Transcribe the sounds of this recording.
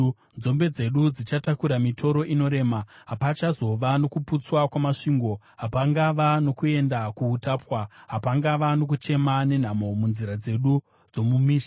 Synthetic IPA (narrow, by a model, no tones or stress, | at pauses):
nd͡zo̞mbe̞d͡ze̞ɗud͡zit͡ʃatakuɾamitʰo̞ɾo̞ʔino̞ɾe̞ːmaɦapat͡ʃazo̞ʋano̞kuput͡swakwamaʂiːŋɡo̞ | ɦapaŋɡaʋano̞kue̞ndakuutaːpwaɦapaŋɡaʋano̞k̬ut͡ʃe̞mane̞n̤amo̞munziɾad͡ze̞ɗu | d͡zo̞mumiːʃa